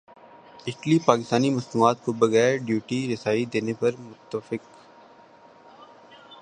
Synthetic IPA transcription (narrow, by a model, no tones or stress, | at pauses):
ɪʈlipaːkɪst̪aːnimɐsnuaːt̪kobɐɣɛːɾɖjuːʈiɾɪsaːid̪eːnepɐɾmʊt̪ːəfɪq